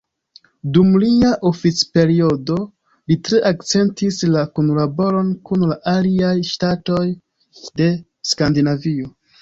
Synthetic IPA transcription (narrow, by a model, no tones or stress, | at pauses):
dumliaʔofit͡spe̞ɾio̞do̞ | litɾe̞ʔakt͡se̞ntislakunlabo̞ɾo̞nkunlaʔaliajʃtato̞j | de̞ | skandinavio̞